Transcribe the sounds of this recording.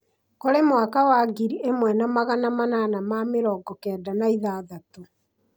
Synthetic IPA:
kɔɾemwakawaɡiɾiemwɛnamaɣanamananamameɾɔɡɔkɛːdanaiðaðato

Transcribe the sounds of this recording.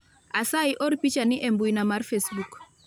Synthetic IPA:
asajʔɔɾpit͡ʃaniʔɛmbujnamaɾfesbuk

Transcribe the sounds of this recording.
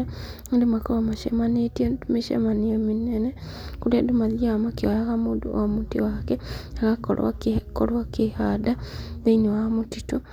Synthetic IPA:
a | ndimakoɾamaʃḛmanitiemiʃḛmanieminenekuɾedumaðiamakiwajaɣamud̰omutḭwakeaɣako̰la̰ko̰ɾwakihadaneinowamutitu

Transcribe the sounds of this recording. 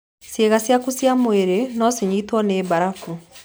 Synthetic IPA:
sjeɣasjakusjamoeɾenɔsiɲiːtwɔneːβaɾafu

